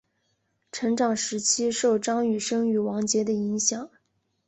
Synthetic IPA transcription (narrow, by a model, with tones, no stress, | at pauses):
ʈ͡ʂʰɤ˧˥ŋʈ͡ʂɑ˨˩ŋʂɻ̩˧˥t͡ɕʰi˥ʂo˥˩ʊʈ͡ʂɑ˥ŋy˨˩ʂɤ˥ŋy˨˩wɑ˧˥ŋt͡ɕjɛ˧˥d̪ə˧i˧˥ŋɕjɑ˨˩˦ŋ